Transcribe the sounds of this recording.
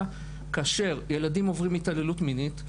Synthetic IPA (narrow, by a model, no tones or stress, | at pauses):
kaːʃe̞ʁje̞ladimo̞vʁimitale̞lutminit